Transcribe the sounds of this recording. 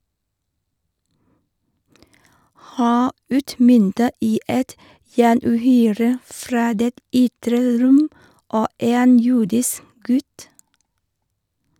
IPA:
ˈhæː ˈʉːtˌmʏntə ˈiː ˈɛt jæːɳʉːˈhyːɾə ˈfɾɑː ˈdeːt ˈʏtɾə ˈɾʊm ˈoː ˈeːn ˈjuːdɪsk ˈɡʉt

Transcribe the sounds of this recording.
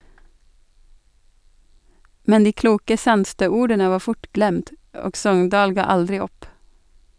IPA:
ˈmɛn ˈdiː ˈkluːkə ˈsɑnstøː ˈuːɾdənə ˈʋɑː ˈfʊʈ ˈɡlɛmd ˈoːɡ ˈsɔŋndɑːl ˈɡɑː ˈɑldɾɪ ˈɔp

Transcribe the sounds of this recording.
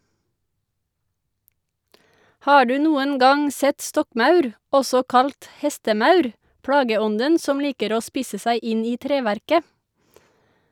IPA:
ˈhɑː ˈɖʉː ˈnuːən ˈɡɑŋ ˈsɛt ˈstɔkˌmɑʉɾ ˈɔsɔ ˈkɑlt ˈhɛstəˌmɑʉɾ ˈpɽɑːɡəˌɔndən ˈsɔm ˈliːkəɾ ˈoː ˈspiːsə ˈsæɪ ˈɪn ˈiː ˈtɾeːʋæɾkə

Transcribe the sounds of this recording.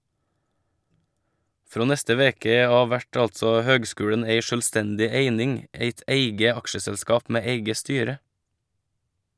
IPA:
ˈfɾoː ˈnɛstə ˈʋeːkə ˈɑːʋ ˈʋæʈ ˈɑltsɔ ˈhøːɡˌskʉːɽəɳ̩ ˈeɪ ʃœlˈstɛndɪ ˈeɪnɪŋ ˈeɪt ˈæɪɡə ˈɑkʃəsɛlˌskɑːp ˈmeː ˈeɪɡə ˈstyːɾə

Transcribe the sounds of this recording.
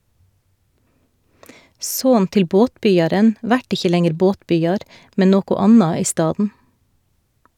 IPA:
ˈsoːn ˈtɪl ˈboːtˌbʏjɑɾən ˈʋæʈ ˈɪçə ˈlɛŋəɾ ˈboːtˌbʏjɑɾ ˈmɛ ˈnoːkʊ ˈɑnɑ ˈiː ˈstɑːdn̩

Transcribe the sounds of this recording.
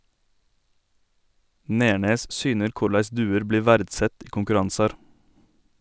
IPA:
ˈneːɳeːs ˈsyːnəɾ ˈkʊɾlæɪs ˈdʉːəɾ ˈbliː ˈʋæːɾdˌsɛt ˈiː kʊŋkʉˈɾɑnsɑɾ

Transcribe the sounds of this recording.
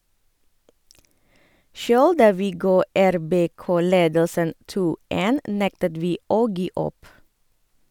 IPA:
ˈʃøːɽ ˈdɑː ˈʋiː ˈɡɑː ˌæɾˌbeːˈkoː ˈleːdəlsən ˈtuː ˈtɪl ˈeːn ˈnɛktəd ˈʋiː ˈoː ˈɡiː ˈɔp

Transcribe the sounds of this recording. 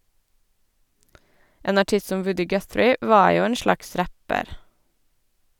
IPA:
ˈʔeːn ɑˈʈɪs ˈsɔm ˈʋʉdɪ ˈɡœθɾɪ ˈʔʋɑːɹ ˈjuː ˈeːn ˈʃlɑks ˈɾæpəɾ

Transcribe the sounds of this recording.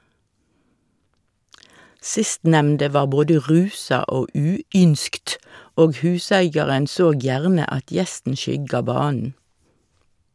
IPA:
ˈsɪstnɛmndə ˈʋɑːʁ ˈboːdə ˈʁʉːsɑ ˈoː ˈʉːˌʏnskt ˈoːɡ ˈhʉːsæɪɡjɑʁən ˈsoːɡ ˈjæʁnə ˈɑt ˈjɛstn̩ ˈʃʏɡɑ ˈbɑːnn̩

